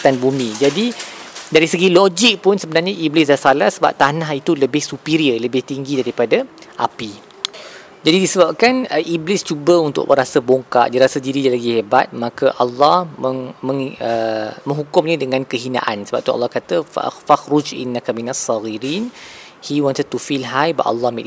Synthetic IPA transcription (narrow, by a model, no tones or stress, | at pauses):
t̪anbumĩd͡ʒadidaɾisəɡilod͡ʒik̚pʊnsəbənarɲaʔiblɪsdarsalahsəba̰p̚t̪anaɦit̪uləbɪhsupiɾiələbɪht̪iŋɡidaɾipadaʔapi | d͡ʒadidisəbap̚kanəʔiblɪst͡ʃubəunt̪ʊ̰ʔməɾasəboŋka̰ʔdiɾasədiɾidalaɡihebat̪̚mãkəʔɑlːɑhməŋməŋəmə̃ŋɦukʊmɲãdəŋãnkəɦina̰ʔa̰nsəba̰p̚t̪uɑ̰lːɑhkat̪ə̰faxɾʊd͡ʒʔḭnːakaminasːɑɣiɾiːn | hiwɔnt̪əd̚t̪ufilɦajba̰ʔɑ̰lːɑhmḭ